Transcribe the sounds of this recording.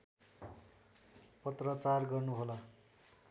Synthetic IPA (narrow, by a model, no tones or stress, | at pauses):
pʌt̪rʌt͡sarɡʌrnuɦolʌ